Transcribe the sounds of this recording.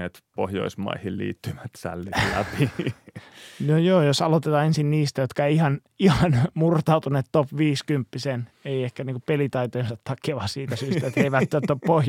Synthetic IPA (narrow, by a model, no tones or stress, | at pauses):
et̪pohjo̰ismɑ̰ihillḭːt̪ːyʋæt̪sæ̰lːilæpi | nojoːjosɑlot̪et̪ɑːensinniːst̪æjot̪kɑeiihɑn | ihɑnmurt̪ɑˑut̪uneːt̪t̪opʋiːskympːiseneiehkæniːŋkupelit̪ɑit̪oinsɑt̪tɑkːeʋɑsiːt̪æsyːst̪t̪æet̪eiʋæt̪ːøːoppohj